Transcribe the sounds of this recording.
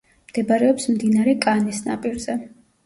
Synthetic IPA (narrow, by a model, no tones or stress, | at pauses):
md̪̥ɛbaɾɛɔpsmd̪inaɾɛkʼanisna̰pʼiɾzɛ